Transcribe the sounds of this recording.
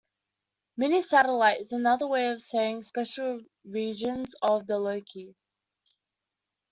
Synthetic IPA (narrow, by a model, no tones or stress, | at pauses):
mɛnisæɾəlaɪtɪzənʌðəweɪʌv̥seɪɪ̃ŋspɛʃl̩ˠ | ɹid͡ʒə̃nzəvðələʊkʰi